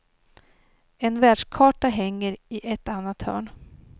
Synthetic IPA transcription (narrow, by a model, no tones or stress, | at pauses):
ɛnvæːɖʂkʰɑːʈaɦɛŋːəɾɪʔɛt̪ːanːat̪hœ̰ːɳ